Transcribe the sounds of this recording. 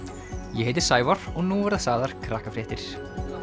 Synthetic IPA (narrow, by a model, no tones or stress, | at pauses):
jɛheːjt̪ɪɾ̥saːjvɔɾ̥ɔɣnuvɛɾðasaːðaɾ̥kʰɾaːhkafɾɛːht̪ɪɾ̥